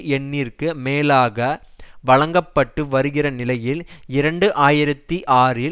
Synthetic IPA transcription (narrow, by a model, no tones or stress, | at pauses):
ɛnːiːrkɯmeːlaːɣɐ | ʋɐɻɐŋɡɐpːɐʈːɯʋɐɾɯɣɪrɐnɪlɐjɪlɪɾɐɳɖɯʔaːjɪɾɐt̪ːiʔaːrɪ